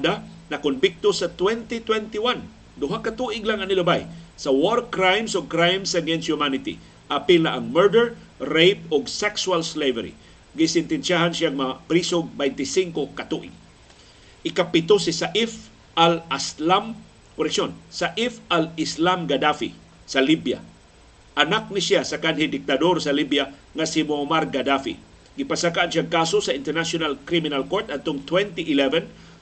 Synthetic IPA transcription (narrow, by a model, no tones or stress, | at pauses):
d̪anɐkʊnbɪk̚t̪osɐt̪wɛnt̪ɪt̪wɛnt̪ɪwan | d̪ʊɦakat̪uʔɪɡlaŋɐnɪlabajsɐwoɾkɾajmsoɡ̚kɾajmsaɡɛnst̪humanɪt̪ḭ | ʔapɪlnaʔaŋmɛɹd̪ɛɹ | ɾejp̚ʊɡsɛksualslejvɛɾḭ | ɡɪsɪnt̪ɪnsaɦansjaŋmpɾisoɡ̚bɛjnt̪ɪsiŋkokat̪uʔɪ̰ɡ̚ | ʔɪkapɪt̪osɪsaʔɪf | ʔalaslam | koɾɛksjonsaʔifalɪslamɡad̪afḭ | salibja̰ | ʔanak̚nɪsjasakanhɪd̪ɪk̚t̪ad̪oɾsɐlibja | ŋasɪmomaɾɡad̪afḭ | ɡɪpasakaʔanʃjaŋkasosaɪnt̪ɛɾnasonalkɾimɪnalkoɾt̪ad̪̚t̪oŋt̪wɛnt̪iʔɪlɛvɛn